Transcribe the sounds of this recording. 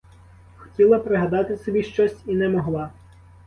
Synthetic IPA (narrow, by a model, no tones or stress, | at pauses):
xɔ̥tʲilˠɐpɾɪɦɐd̪ɑt̪ɪsɔbʲiʃt͡ʃɔsʲinɛmɔɦlˠɑ